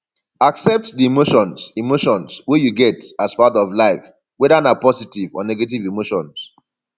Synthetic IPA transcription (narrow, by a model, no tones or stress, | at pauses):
aksɛp̚tdiimoʃɔ̃nsimoʃɔ̃nswejuɡɛtaspatɔvlaɪf | wɛdanapɔsitivɔ̰nɛɡet̬ivimoʃɔ̃ns